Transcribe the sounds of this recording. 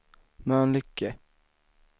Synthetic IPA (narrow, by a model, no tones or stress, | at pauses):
mɛɛnlʏkːə